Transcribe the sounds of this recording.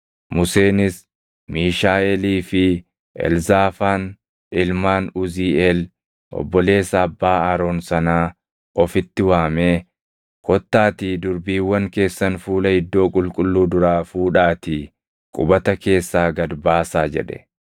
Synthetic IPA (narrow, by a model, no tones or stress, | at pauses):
mʊse̞ːnɪs | miːʃaːɛliːfɪ | ʔɛ̰lzaːfaːn | ɪlmaːnʊziːɛl | ʔɔ̰bːɔle̞ːsɐːbːaːɐɾo̞ːnsɐnaː | ʔɔfɪt̪ːɪwaːmeː | kʰɔt̪ːaːt̪iːd̪ʊɾbiːwːɐŋke̞ːsːɐnfuːlɐhɪd̪ːo̞ːkʼʊlkʼʊlːuːd̪ʊɾaːfuːᶑaːt̪iː | kʼʊbɐt̪ɐke̞ːsːaːɡɐd̪baːsaːd͡ʒɛ̰ᶑɛ̥̰